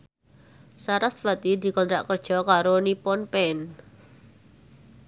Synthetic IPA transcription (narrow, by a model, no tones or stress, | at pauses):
saɾasfat̪id̪i̤kɔnt̪ɾa̰ʔkərd̥ʒ̥ɔ̤kaɾonipɔnpɛn